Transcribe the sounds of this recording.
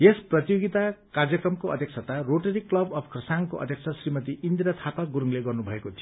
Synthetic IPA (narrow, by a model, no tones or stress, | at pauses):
esprʌt̪joɡit̪akard͡zjʌkrʌmkoʔʌ̰d̪ʱjʌksʰat̪aroʈʌɾiklʌbʌpʰkrʌsaŋkoʌ̰d̪ʱjʌksʰasrimʌt̪iʔind̪iɾʌt̪ʰapaɡuɾuŋleɡʌrnubʱʌekot̪ʰi